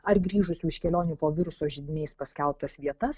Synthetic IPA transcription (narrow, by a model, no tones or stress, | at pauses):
ɐɾɡɾʲiːʒʊsʲuːɪʃkʲɛlʲoːnʲuːpoːʋʲɪɾʊsoːʒʲɪd̪ʲɪnʲɛɪspɐsʲkʲɛlˠp̚t̪ɐsʋʲiɛt̪ɐs